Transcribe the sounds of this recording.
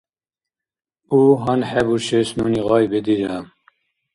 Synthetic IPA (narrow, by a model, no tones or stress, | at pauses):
uːɦɑnħɛbuʃesnuːniɣɑːjbed̪iːɾam